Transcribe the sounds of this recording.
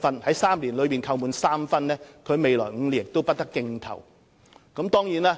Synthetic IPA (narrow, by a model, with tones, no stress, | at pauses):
fɐ˥nhɐ˨˥jsaː˥mliː˨˩nlɵ˨˧ɥpiː˨˩nkʰɐ˧wmuː˨˧nsaː˥mfɐ˥nlɛː˥kʰɵ˨˧ɥme˨˧jlɔː˨˩jŋ̩˨˧liː˨˩nt̪o˥wpɐ˥t̚t̪ɐ˥kːɪ˧ŋt̪ʰɐ̰˨˩w | kɐ˨˥mt̪ɔː˥ŋjiː˨˥naː˥